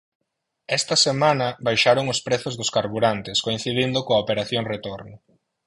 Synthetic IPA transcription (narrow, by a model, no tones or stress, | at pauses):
ɛst̪ɐsemãnɐbajʃaɾoŋʊspɾeθʊzðʊskaɾβuɾant̪ɪskoin̟θiðind̪ʊkoɐopeɾaθjoŋret̪oɾnʊ